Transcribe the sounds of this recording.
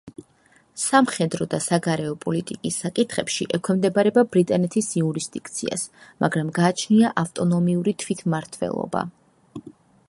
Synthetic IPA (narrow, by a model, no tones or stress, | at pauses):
samχɛd̪ɾɔd̪asaɡaɾɛɔpʼɔlit̪ʼikʼisːakʼit̪ʰχɛpʃḭʔɛkʰwɛmd̪ɛbɾɛbabɾit̪ʼanɛt̪ʰisiuɾisd̪ikʼt̪sʰia̰smʔa̰ɡɾamɡaːt͡ʃʰniaʔaft̪ʼɔnɔmiuɾit̪ʰwit̪ʰmaɾt̪ʰwɛ̰lˠɔ̰ba̰